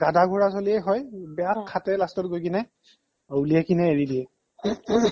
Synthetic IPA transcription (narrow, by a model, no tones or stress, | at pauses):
ɡadaɡʱuɹasoliɛjɦɔjbɛjakʰːatɛlastɔt̚ɡojkinɛ | owliɛkinɛːɹidiɛ